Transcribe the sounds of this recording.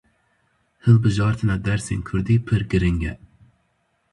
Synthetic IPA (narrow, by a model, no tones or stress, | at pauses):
hɨlˠbɨʒɑːɾt̪ʰɨnɑd̪æɾsɪŋkʲʰyɾd̪ipʰɨɾɡʲiɾɪŋɡʲɛ